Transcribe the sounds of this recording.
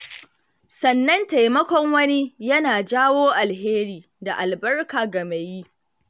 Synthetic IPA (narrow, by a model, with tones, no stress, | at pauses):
sɐ˨nːɐ˦nta˨jmɐ˦kʷɔ˦ŋwɐ˦ni˦jɐ˦naː˨d͡ʒaː˦woː˦ʔa˨lɦeː˦ɾiː˨ | da˨ʔa˨lbɐ˦rkaː˨ɡɐ˨me˨jiː˦